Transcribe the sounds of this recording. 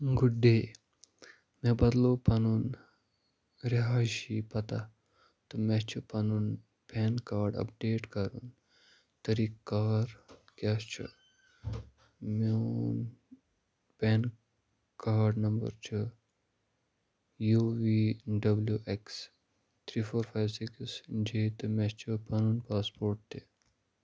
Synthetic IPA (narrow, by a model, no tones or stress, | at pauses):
ɡuɖeː | mɛ̃bɐd̪lopɐnun | ɾeɦaːʃipɐt̪a | t̪umɛt͡ʃʰupɐnun | pɛːnkaːɾɖɐ̰p̚ɖeːʈkɐɾṵn | t̪ɐɾikkːaːɾkaːst͡ʃʰṵ | men | pɛːn | kaːɾɖnɐmbə̰ɾt͡ʃʰɨ | juːʋiːɖɐbljuʔeks | t̪ʰɾiːfʰoːɾfʰaːjsekisd͡ʒeːt̪ɨmɛ̃t͡ʃʰɨpɐnunpaːspoːɾʈ̚t̪e